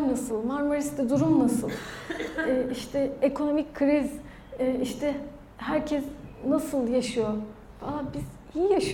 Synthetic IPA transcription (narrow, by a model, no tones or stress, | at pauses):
nasɯlˠmaɾmoɾist̪ɛd̪uɾumnasɯlˠː | ʔiʃt̪ʰɛekʰo̞no̞micʲkʰɾiz | iʃt̪ʰɛ | hæɾcʰɛsnasɯlˠjaʃɯjo | falˠabiz̥hijaʃ